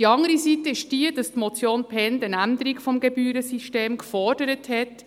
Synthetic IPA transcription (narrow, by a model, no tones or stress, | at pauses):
d̥iɑŋəɾisitəɪʃd̥iədɑstmɔt͡sjoːnpʰɛndənænd̪əɾikfɔmɡebyːɾəsiʃteːmkfɔrd̥əɾəthɛt